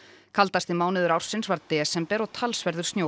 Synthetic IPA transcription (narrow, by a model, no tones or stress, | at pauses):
kʰalt̪ast̪ɪmaːwnɪðʏɾawɾ̥sɪnsvaɾðt̪ɛsɛmpɛːɾawt̪ʰalsvɛɾðʏ̥st̪njo